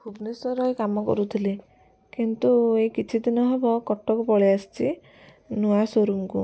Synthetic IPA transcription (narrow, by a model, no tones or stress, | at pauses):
pʰubnesɔɾɔjkamɔkɔ̰ɾut̪ʰili | kint̪uejkit͡ʃʰid̪inɔɦebɔkɔʈːɔkɔpɔɭiast͡ʃʰi | nuasoɾumkṵ